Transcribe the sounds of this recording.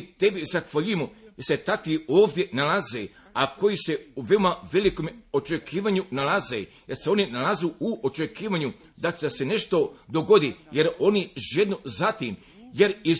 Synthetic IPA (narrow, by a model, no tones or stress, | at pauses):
t̪e̞bizaxʋaʎujemojeset̪ak̪ioːʋd̪je̞nalaze | ako̞jise̞uʋe̞omaʋe̞likomo̞t͡ʃekʰiːʋaɲunalazḛjeɾse̞o̞ninalazuuʔot͡ʃekiːʋaɲu | d̪ad̪ase̞ne̞ʃt̪o̞d̪o̞ɡo̞d̪ije̞ɾo̞niʒed̪nozat̪im | je̞ɾi